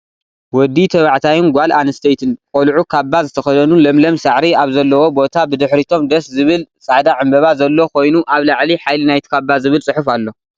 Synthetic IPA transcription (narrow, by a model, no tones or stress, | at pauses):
wɔd̪it̪ʰɐβaʕt̪ʰajɪnɡʷalʔanɨst̪ʰejt̪ʰɨnkʼolʕukʰabːazɨt̪ʰɐxɐd̪ɐnulɐmlɐmsaʕɾiaβzɐlːɐwo̞bo̞t̪ʰabɨd̪ɨħɾit̪ʰo̞md̪ɐszɨβɨlsʼaʕd̪aʕɨmbɐβazɐlːo̞kʰo̞jnuʔaβlaʕliħajlinajt̪ʰi̥kʰabːazɨβɨlt͡sʼɨħufalːo̞